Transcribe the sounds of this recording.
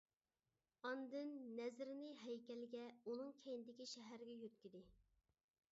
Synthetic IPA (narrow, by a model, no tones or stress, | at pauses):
ɑnd̪ɨnːɛzɾɪnɨɦɛjkʲɛlɪɡʲɛunɨŋkʲʰejnɪd̪ɪkʲiʃɛɦæɾɪɡʲɛjøt̪̚kʲyd̪ɪ